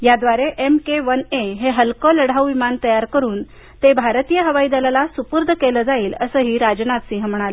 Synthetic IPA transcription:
jad̪ʋaɾeʔemkeʋəneɦeɦəlkələɽ̤awʋimant̪əjaɾkəɾuːn | t̪ebʱaɾt̪ijəɦəʋaiːd̪əlalasupuɾd̪ʱəkeləːd͡zaiːləsəːɦiːɾad͡ʑnat̪siɦəm̤əɽ̃alə

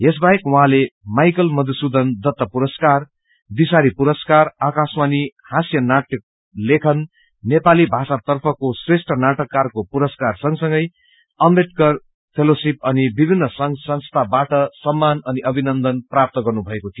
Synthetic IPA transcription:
esbaekwʌɦãlemajkʌlmʌd̪usud̪ʱʌnd̪ʌt̪ːʌpuɾʌskar | d̪isaɾipuɾʌskarakasmanihasjʌnaʈjʌk̚ | lekʰʌnː | epalibʱasat̪ʌrpʰʌkosresʈʰʌnaʈʌkːarkopuɾʌskarsʌŋsʌŋɡʌj | ʌmbeʈ̚kʌr | pʰelosipʌnibibʱinːʌsʌŋsʌnst̪ʰabaʈʌsʌmːanʌniʔʌbʱinʌnd̪ʌnprap̚t̪ʌɡʌrnubʱʌekot̪ʰijo

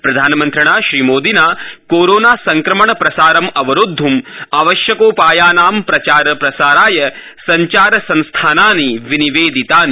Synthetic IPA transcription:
pɾɐd̪ʱaːnɐmɐnt̪ɾɐɳaːʃɾiːmoːd̪ʱinaːkoːɾoːnaːsɐŋkɾɐmɐɳɐpɾɐsaːɾɐmɐʋɐɾud̪ʱːumaːʋɐʃjɐkoːpaːjaːnaːmpɾɐt͡ʃaːɾɐpɾɐsaːɾaːjɐ | sɐɲt͡ʃaːɾɐsɐ̃nst̪ʰaːnaːniʋiniʋeːd̪it̪aːni

